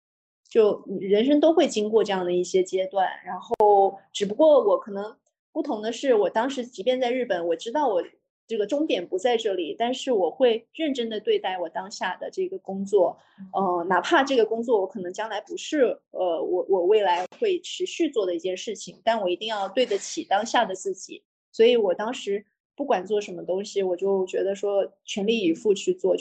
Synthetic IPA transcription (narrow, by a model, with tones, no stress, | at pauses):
t͡ɕjo˥˩ʊ˨˩ɻə˧˥nʂ̬ɤ˥ŋt̪o˥ʊxwe˥˩ɪt͡ɕi˥ŋkwɔ˥˧ʈ͡ʂɤ˥˧jɑ˥˩ŋd̪ə˩i˥˩ɕjɛ˥t͡ɕjɛ˥t̪wa˥˩nɻa˧˥nxo˥o˥˩ʊʈ͡ʂɻ̩˨˩p̬u˧˥kwɔ˥˩wɔ˨˧˥kʰɤ˨˩nɤ˧˥ŋ | pu˥˩t̪ʰʊ˧˥ŋd̪ə˧ʂɻ̩˥˩wɔ˨˩t̪ɑ˥ŋʂɻ̩˧˥t͡ɕi˧˥pjɛ˥˧nt͡sa˥˧ɪɻ̩˥˩pə˨˩nwɔ˨˩ʈ͡ʂɻ̩˥t̪ɑ˥˩ʊwɔ˨˩ | ʈ͡ʂɤ˥˩ɡə˩ʈ͡ʂʊ˥ŋt̪jɛ˨˩npu˧˥t͡sa˥˧ɪʈ͡ʂɤ˥˩li˨˩t̪a˥˧nʂɻ̩˥˩wɔ˨˩xwe˥˧ɪɻə˥˩nʈ͡ʂə˥nd̪ə˨t̪we˥˧ɪt̪a˥˩ɪwɔ˨˩t̪ɑ˥ŋɕja˥˩d̪ə̰˩ʈ͡ʂɤ˥˩ɡə˩kʊ˥ŋt͡swɔ˥˩ | ə˥˧na˨˩pʰa˥˧ʈ͡ʂɤ˥˩ɡə˩kʊ˥ŋt͡swɔ˥˩wɔ˧˥kʰɤ˨˩nɤ˧˥ŋt͡ɕjɑ˥ŋla˧˥ɪpu˧˥ʂɻ̩˥˩ə˧wɔ˨˩wʔɔ˨˩we˥˩ɪla˧˥ɪxwe˥˩ɪʈ͡ʂʰɻ̩˧˥ɕy˥˧t͡swɔ˥˩d̪ə˩i˥˩t͡ɕjɛ˥˧nʂɻ̩˥˩t͡ɕʰi˩ŋt̪a˥˩nwɔ˨˩i˧˥t̪i˥˧ŋjɑ˥˧ʊt̪we˥˩ɪdə˩t͡ɕʰi˨˩t̪ɑ˥ŋɕja˥˩d̪ə˩t͡sɹ̩˥˩t͡ɕḭ˨˩˦ | swɔ˧˥i˧˥wɔ˨˩t̪ɑ˥ŋʂɻ̩˧˥ | pu˥˩kwa˨˩nt͡swɔ˥˩ʂə˧˥nmə˧t̪ʊ˥ŋɕi˨wɔ˨˩t͡ɕjo˥˩ʊt͡ɕɥɛ˧˥d̪ə˧ʂwɔ˥t͡ɕʰɥɛ˧˥nli˥˩i˨˩fu˥˧t͡ɕʰy˥˧t͡swɔ˥˩